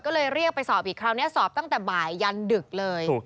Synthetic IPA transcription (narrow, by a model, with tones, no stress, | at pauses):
kɔː˥˩lɤː˧jɾi˥˩ək̚pa˧jsɔː˨˩˦p̚ʔiː˨˩kʰɾaː˧wni˦˥ɐsɔː˨˩p̚t̪a˥˩t̪ɛː˨˩baː˨˩jːa˧ndɯ˨˩k̚lɤː˧j